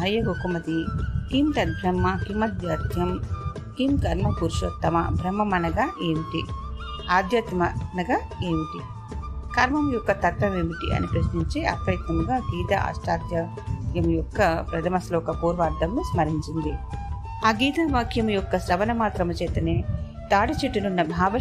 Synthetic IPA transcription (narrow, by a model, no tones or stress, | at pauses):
ɦɐjɐɡokumɐt̪ikimt̪ɐd̪̚bʱɾɐmːɐkimɐt̪jaːt̪jɐm | kimkɐɾmɐpuɾʃɐt̪ːɐmɐbʱɾɐmːɐmɐnɐɡaːʔeːmiʈḭ | aːd̪ʱjɐt̪mɐnɐɡaː | eːmiʈi | kɐɾmɐmujɔkːɐt̪ɐt̪ʋɐmeːmiʈḭʔɐ̰nipɾɐsniɲt͡ʃeːʔɐ̰pɾɐjɐt̪nɐmɡaːɡiːd̪ɐʔa̰ʂʈaːd̪jɐ | kjɐmjɔkːɐpɾɐd̪ʱɐmɐslɔːkɐpuːɾʋaːɾd̪ɐmnusmɐɾiɲt͡ʃind̪i | aːɡiːd̪ɐʋaːkʰjɐmjɔkːɐsɾɐʋɐnɐmaːt̪ɾɐmɐt͡ʃɛːt̪ɐneː | t̪aːɽɐt͡ʃeʈːɐnunːɐbʱaːʋɐ